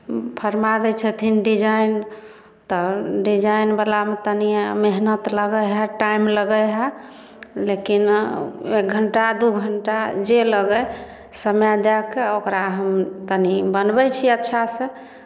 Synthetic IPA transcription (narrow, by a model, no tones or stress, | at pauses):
pʰəɾmad̪ɛt͡ʃʰɛt̪ʰinɖid͡ʒain | t̪ɔɖid͡ʒainbelamet̪ənimeɦnət̪ləɡəɦɛʈaimləɡəɦɛ | lekinek̚ɡʱəɳʈad̪uɡʱəɳʈad͡ʒeləɡə | səmjad̪ɛkeokɾaɦəmt̪ənibənbɛt͡ʃʰiətːʃʰasẽ